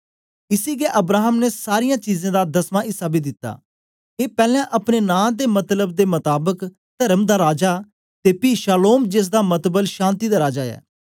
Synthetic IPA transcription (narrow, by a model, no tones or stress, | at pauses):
ɪsiːɡeːʔəbɾaːɦəmneːsaːɾɪjãːt͡ʃiːzãːd̪aːd̪əsmãːʔɪsaːbiːd̪ɪt̪ːa̰ː | eːpɛːlãːʔəpneːnãːd̪eːmət̪ləbd̪eːmət̪aːbək | t̪əɾəmd̪aːɾaːd͡ʒaː | t̪eːpiːʃaːloːmd͡ʒes̬d̪aːmət̪bəlʃãːnt̪iːd̪aːɾaːd͡ʒaːɛ̰ː